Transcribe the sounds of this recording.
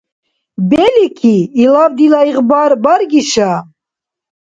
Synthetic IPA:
belikʰiilɑːvd̪ilɑiɣbɑːɾbɑɾɡiʃa

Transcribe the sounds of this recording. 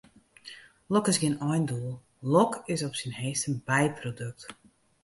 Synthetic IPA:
lɔkɪsɡɪnɔjnduəlˠ | lɔkɪsɔpsinheːstənbɛjpʰrodøk̚t

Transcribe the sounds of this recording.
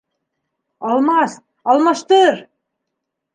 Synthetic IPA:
ɑlˠmɑst̪̚ | ɑlˠmɑʃt̪ɤɾ

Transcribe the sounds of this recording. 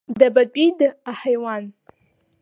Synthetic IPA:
d̪abad̪̚bid̪əahajwɑn

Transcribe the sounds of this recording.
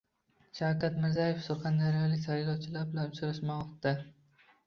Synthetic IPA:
ʃawkʲat̪mɪɾzajefsʊɾχɑnd̪aɾijɒlɪkʲt̪ʰajɪlˠɒwt͡ʃʰɪlaɾbɪlanʊt͡ʃʰɾaʃmaɒqt̪d̪a

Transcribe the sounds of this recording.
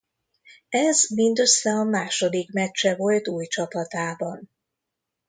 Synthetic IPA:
ɛzmind̪øsɛɒmaːʃo̞d̪ikmɛt͡ʃːɛvo̞lt̪uːjt͡ʃɒpɒt̪aːbɒn

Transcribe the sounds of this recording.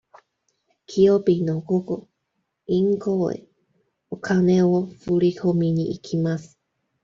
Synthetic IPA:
kʰiopinokoko | iŋkoḛ | okʰanewofuɾihomiɲiʔikʰimasɨ̥

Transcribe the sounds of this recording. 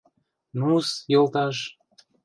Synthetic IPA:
nusjɤ̆lˠt̪ɑʃ

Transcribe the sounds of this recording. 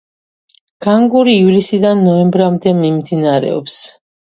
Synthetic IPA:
ɡ̥aŋɡuɾiːvlisid̪anːɔɛmbɾamd̪ɛmimd̪inaɾɛ̰ɔ̰ps

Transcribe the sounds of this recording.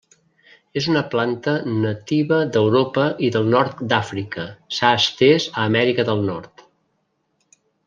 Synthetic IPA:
ezunəplant̪ənət̪iβəd̪əwɾopəʔiðəlˠnɔɾt̪d̪afɾikəsaəst̪ɛzəːmɛɾikəðəlˠnɔɾt̪

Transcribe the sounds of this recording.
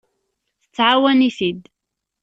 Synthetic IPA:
θə̥t͡sːʕawæniθid̪

